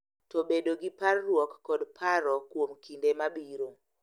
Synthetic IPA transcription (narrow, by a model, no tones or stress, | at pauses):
tobedoɡiparːwɔkːɔdpʰaɾɔkwomkindemabiɾo